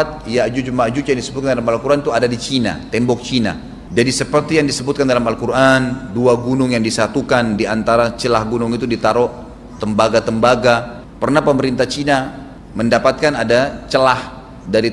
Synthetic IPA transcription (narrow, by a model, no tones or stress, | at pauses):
t̪̚jad͡ʒud͡ʒumad͡ʒut͡ʃjaŋdisəbʊt̪kandalamalkuɾʔant̪uadadit͡ʃina̰t̪ɛmbɔk̚t͡ʃina̰ | d͡ʒadisəpərt̪ijaŋdisəbʊt̪̚kandalamalkuɾʔanduaɡunʊŋjaŋdisat̪ukandiant̪aɾat͡ʃəlahɡunʊŋit̪udit̪aɾɔʔ | t̪əmbaɡat̪əmbaɡa | pərnahpəməɾint̪aht͡ʃina | məndapat̪̚kanadat͡ʃəlah | daɾi